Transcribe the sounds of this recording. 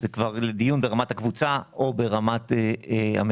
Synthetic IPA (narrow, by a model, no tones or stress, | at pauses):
zekvaʁled̪ijunbeʁamathakvut͡saobeʁamat̪ea̰m